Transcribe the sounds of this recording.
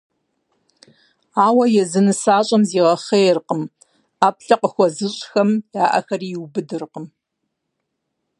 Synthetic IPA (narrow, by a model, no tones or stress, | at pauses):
aːwɐjɛzɨnɨsaːɕʼɐmziːʁɐχejrqəm | aːpʰɬɐqʼəxʷɔzɨɕʼxɐmjaːʔɐ̰xɐriːwbɨdɨrqəm